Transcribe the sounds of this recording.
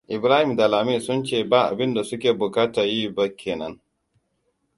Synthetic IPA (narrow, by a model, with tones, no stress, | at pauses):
ʔɪ˨bɾaː˦hɪ˨mda˨laː˨meː˦˨sʊ˦nt͡ʃeː˦˨baː˦ʔa̰˨bɪ˦nda˨sʊ˦kʲeː˨bʊ˨kaː˦taː˨jiː˦ba˦kʲʰeː˨nɐ˦ŋ